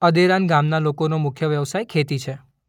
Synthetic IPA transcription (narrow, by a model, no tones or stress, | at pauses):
əd̪eɾanɡamnalokonomʊkʰjəʋjəʋsajkʰet̪it͡ʃʰe